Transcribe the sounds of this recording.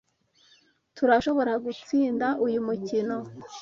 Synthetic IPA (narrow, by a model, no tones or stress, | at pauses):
tuɾaʃo̞βo̞ɾaɡut͡siːndaʔujumucino̞